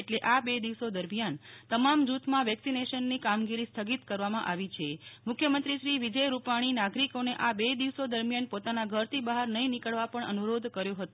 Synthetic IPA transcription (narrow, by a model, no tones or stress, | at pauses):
eʈleʔabed̪iʋsod̪əɾmjant̪əmamd͡ʒut̪ʰmãʋɛksineʃənːikamɡiɾist̪ʰəɡit̪kəɾʋamã̰ʔaʋit͡ʃʰemʊkʰjəmənt̪ɾiʃɾiʋid͡ʒəjɾupaɽ̃inaɡɾikoneʔabed̪iʋsod̪əɾmjanpot̪anaɡʱəɾt̪ʰibəɦaɾnəɦĩnikəɭʋapəɳə̰nuɾod̪ʱkəɾjoɦət̪o